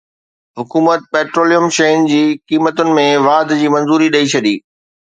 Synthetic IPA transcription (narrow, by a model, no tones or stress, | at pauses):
ɦʊkuːmət̪̚peːʈɾoːlijəmʃɐɪnd͡ʑiːkiːmət̪ʊnɪ̆mẽʋaːd̪d͡ʑiːmɐ̃nzuːɾiɗɐit͡ɕʰɐɗiː